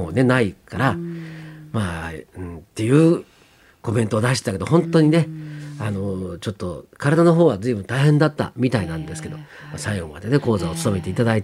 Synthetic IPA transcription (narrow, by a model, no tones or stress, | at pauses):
one̞naikaɾa | maːɯ̃nt̪ːe̞jɯ̟ː | ko̞mẽ̞nt̪o̞ːd̪aɕi̥t̪ake̞d̪o̞hõ̞nt̪o̞ɲ̟ine̞ano̞t͡ɕo̞t̪ːo̞kaɾad̪ano̞ɦo̞ːβazɨːbɯ̟nt̪aiɦẽ̞nd̪at̪ːa̰mʲit̪ainãnd̪esɨ̥ke̞d̪o̞̰ma̰saiɡo̞ma̰d̪e̞ne̞ko̞ːzaot͡sɨ̥t̪o̞me̞t̪e̞it̪ad̪ait̪